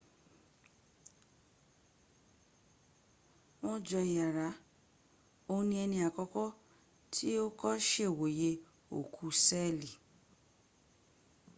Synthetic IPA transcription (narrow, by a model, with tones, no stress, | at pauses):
w̃ɔ̃˦d͡ʒɔ˧i˨ja˨ɾa˨˦ | o˦˧˦nĩ˧ɛ˧nĩ˧a˨kɔ˧kɔ˦ | tʰi˦o˦kɔ˦ʃe˦˨wo˨je˧ | o̰˨kʰu˨˦sɛ˦˨li˨